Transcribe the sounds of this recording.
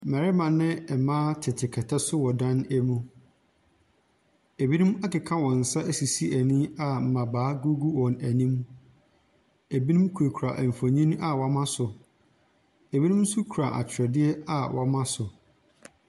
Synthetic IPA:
mæ˨ɾɪ˦mã˨nɪ̃˦ɛ˨mãː˦tʰɪ˨tʰɪ˨kʰɛ˨tʰɛ˦sʊ˦wɔ˨dã˦næ˦mũ˦ | e˨bi˦nũ˦ma˦kɪ˨kʰã˦wɔ̃˨n̩˨sa˦ʔæ˦si˨si˦æ˨nĩ˦a˨m̩˨mã˨baː˨˦ɡu˦ɡu˦wɔ̃˨næ˨nĩ˦m | e˨bi˦nũ˦mkʰu˨ɾe˨kʰɾa˨ʔm̩˨fo˨ɲĩ˦n˦a˨wɔ˨mã˦sʊ˨ | e˨bi˦nũ˦m˦sʊ˦kʰu˨ɾa˨ʔa̰˨t͡ɕʰɪ˨ɾɛ˨dɪ˦ɛ˦a˨wʔɔ˨mã˦sʊ˨

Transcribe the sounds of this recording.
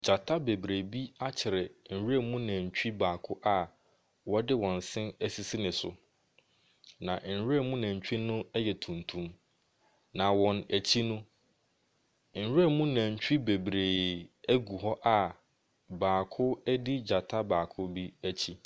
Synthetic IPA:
d͡ʑa˨tʰa˦be˨bɾe˨bi˦a˦t͡ɕʰɪ˨ɾɪ˨n̩˨we˦˨mũ˦nã˨ɲ̩˨t͡ɕᶣi˦baː˨kʰʊ˦ʔa˨ | wɔ˦dɪ˦wɔ̃˨n˨sɪ̃˦næ˨si˨si˦nɪ̃˨sʊ̰˨ | nã˨n̩˨ɾe˦mũ˦nã˨ɲ̩˨t͡ɕᶣi˦nʊ̃˦ɛ˦jɛ˨tʰũ˨ntʰũ˨m | nã˨wɔ̃˨næ˨t͡ɕʰi˦nʊ̃˦ | n̩˨ɾe˦˨mũ˦nã˨ɲ̩˨t͡ɕᶣi˦be˨bɾeː˨æ˦ɡu˨ɦɔ˦ʔa˨ | baː˨kʰʊ˦di˦d͡ʑa˨tʰa˦baː˨kʰʊ˦bi˦æ˦t͡ɕʰi˦

